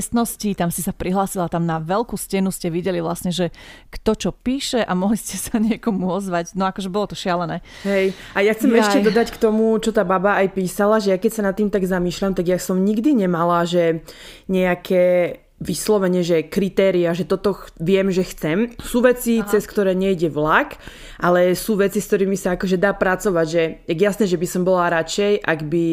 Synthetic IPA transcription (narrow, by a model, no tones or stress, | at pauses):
st̪nɔscit̪amsisapɾiɦlaːsilat̪amnaʋɛlkuːscɛnuscɛʋiɟɛliʋlasɲɛʒɛkt̪ɔt͡ʃɔpiːʃɛʔamɔɦliscɛsaɲɪɛkɔmuɔzʋaɟnɔakɔʒɛbɔlɔt̪ɔʃɪalɛnɛː | ɦɛjajaxt͡sɛmɛʃcɛɔd̪ackt̪ɔmut͡ʃɔt̪aːbabaːjpiːsalaʒɛjakɛcsanat̪ːiːmt̪aɡzamiːʃlamt̪aɡjasɔmɲiɡd̪iɲɛmalaʒɛ | ɲɛakʰɛː | ʋislɔʋɛɲɪɛʒɛkɾit̪ɛːɾiaʒɛt̪ɔt̪ɔʋɪɛmʒɛxt͡sɛmsuːʋɛt͡sit͡sɛskt̪ɔɾɛːɲɛjɟɛʋlak | ʔalɛsuːʋɛt͡sisk̚t̪ɔɾimisaakɔʒɛd̪aːpɾat͡sɔʋaɟʒɛjɛjasnɛːʒɛbisɔmbɔlaɾat͡ʃɛjʔaɡbi